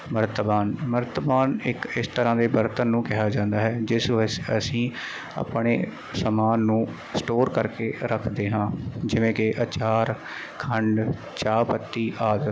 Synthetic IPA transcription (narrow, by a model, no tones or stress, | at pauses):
məɾt̪əbaːnməɾt̪əbaːnɪkɪst̪əɾãːd̪eːbəɾt̪ənːũːkɪɦaːd͡ʒãːnd̪aːɦɛːd͡ʒɪsəsĩː | a̰pɳḛː | səmaːnːũː | sʈoːɾkəɾkeːɾəkʰd̪eːɦãːd͡ʒɪʋẽːkɪʔət͡ʃaːɾ | kʰəɳɖ | t͡ʃaːpət̪ːiːʔaːd̪ə